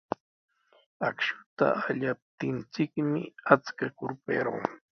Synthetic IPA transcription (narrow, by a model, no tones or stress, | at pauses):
akʃʊ̥t̪a̰ːʎap̚t̪ɪnt͡sɪkmɪat͡skakʊɾpeɾo̰ŋ